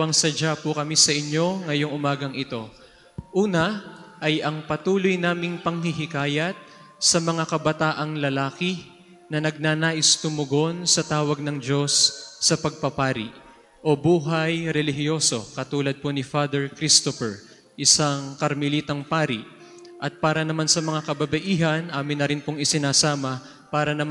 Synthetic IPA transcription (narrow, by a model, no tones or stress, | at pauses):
ɐŋsɐd͡ʒapʊkɐmisɐʔɪɲːo̞ŋɐjo̞ŋʔʊmaːɡɐŋɪt̪o̞ | ʔuːnɐʔɐjʔɐŋpɐt̪uːlojnaːmɪŋpɐŋhɪɦɪkaːjɐt̪̚ | sɐmɐŋakɐbɐt̪aːʔɐŋlɐlaːkɪ | nɐnɐɡ̚nanaːʔɪst̪ʊmʊɡo̞nsɐt̪aːwɐɡ̚nɐŋd͡ʒo̞sːɐpɐɡ̚pɐpaːɾɪ̰ʔ | ʔo̞buːɦɐjɾɛlɪɦɪjo̞so̞̰kɐt̪uːlɐd̪̚ponɪfaːd̪ɛɹkɾist̪ofɛɹ | ʔɪsaŋkɐɾmɪliːt̪ɐŋpaːɾɪʔ | ʔɐt̪̚paːɾɐnɐmansɐmɐŋakɐbɐbɐʔiːɦɐnʔaːmɪnːɐɾɪnpoŋɪsɪnaːsaːmɐ | paːɾɐnɐm